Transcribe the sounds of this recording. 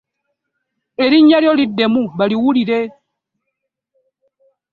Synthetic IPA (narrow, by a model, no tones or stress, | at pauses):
eɾiɲaɾjɔlidemubaliwuɾiɾe